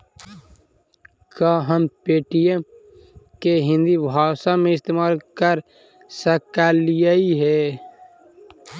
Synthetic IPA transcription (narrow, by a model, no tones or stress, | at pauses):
kaːɦəmpeːʈije | keɦɪ̃nd̪ibʱaːsamẽɪst̪eːmaːlkəɾ | səkaːlijaiɦɛː